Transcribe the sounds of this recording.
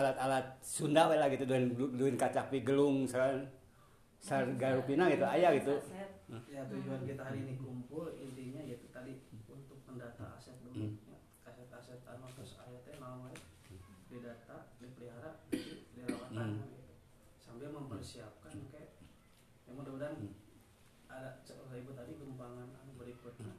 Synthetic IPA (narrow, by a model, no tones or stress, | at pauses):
alat̪alat̪̚sundawalahɡit̪udunduɪnkat͡ʃapiɡəlʊŋsakan | sarɡaɾupinaɡit̪uajaɡit̪u | jat̪uɲd͡ʒuankit̪aɦaɾiːnikumpʊlindiɲajait̪ut̪adiunt̪ʊk̚məndat̪a̰asɛt̪̚duuɲa | asɛt̪asɛt̪a̰nat̪ɾʊsa̰jat̪ɲanaŋaja | didat̪adipəliɦaɾaidiɾawaankanit̪u | sambɪlməmpərsiap̚kankaj | amaŋdəbudan | adat͡ʃəsaibʊt̪adiɡəmpaŋana̰nbəɾikʊt̪̚ɲa